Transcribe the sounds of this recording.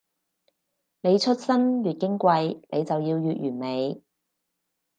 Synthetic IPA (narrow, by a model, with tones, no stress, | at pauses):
ne˨˧jt͡ʃʰɵ˥t̚sɐ˥nɥyː˨t̚kɪ˥ŋkʷɐ˧jnʔe˨˧jt͡sɐ˨wjiː˧wjyː˨t̚jyː˨˩nme˨˧j